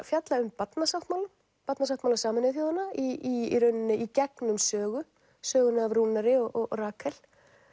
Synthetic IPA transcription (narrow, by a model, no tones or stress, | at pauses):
fjat̪laʏmpat̪nasawht̪mawlʏm | pat̪nas̬awt̪mawlasaːmanɪθjowðanːaiiɾœɥnnɪʔicɛknʏmsœːɣʏ | sœːɣʏnaavɾuːnaɾɪɔʔɔɣɾaːkʰɛl